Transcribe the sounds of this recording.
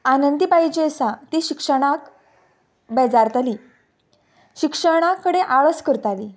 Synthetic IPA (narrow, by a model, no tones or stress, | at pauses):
anənd̪ipait͡ɕeəsat̪iːɕikʂəɽ̃ak | bɛd͡zaɾt̪aliː | ɕikʂəɽ̃akːəɽeʔaɭəskəɾt̪aliː